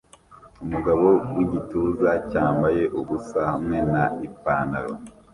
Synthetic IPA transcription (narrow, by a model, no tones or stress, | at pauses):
umuɡaβo̞wiɟituːzacaːmbaje̞ʔuβusahamŋe̞naipaːnaɾo̰